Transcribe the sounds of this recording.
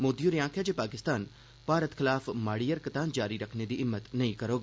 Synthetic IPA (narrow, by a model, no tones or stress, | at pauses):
moːd̪ijuɾijãːkʰjad͡ʒeːpaːkɪst̪aːn | paːɾət̪xɪlaːfmaːɽijəɾkɪt̪aːnd͡ʒaːɾiɾɐkʰned̪iːʔɪmːət̪nɐĩkɐɾoːɡ